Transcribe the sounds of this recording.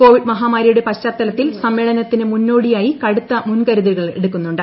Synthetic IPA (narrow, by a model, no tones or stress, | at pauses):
ko̞ːʋiɖmɐɦaːmaːɾɐjuɽe̞pɐɕɐrt̪ːɐlɐt̪ːilsɐmːe̞ːɭɐnɐt̪ːinɨmunːo̞ːɽijaːjikɐɽut̪ːɐmunkɐɾuðiɾɣɐɭe̞̰ɽukːunːuɳɖɨ